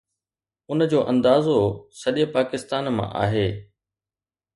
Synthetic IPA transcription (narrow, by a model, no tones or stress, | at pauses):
ʊnəd͡ʑoːʔɐ̃nd̪aːzosɐɗəpaːkɪst̪aːnmã̰ʔa̰ːɦeː